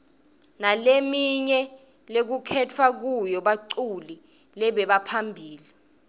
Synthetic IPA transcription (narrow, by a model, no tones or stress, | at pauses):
nalemiɲɛ | lek̬ukʰɛtʰwak̬ujɔɓaǀuli | lɛɓɛɓapʰambʱiːli